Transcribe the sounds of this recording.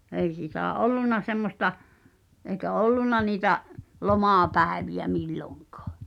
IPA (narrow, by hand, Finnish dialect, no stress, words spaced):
ei siˑtæˑ ʔolˑunˑɑ semːosˑtɑ ʔeikæ olːunɑ niːtæʔ lomɑˑpæˑeʋiæ milːoŋkɑ̥ː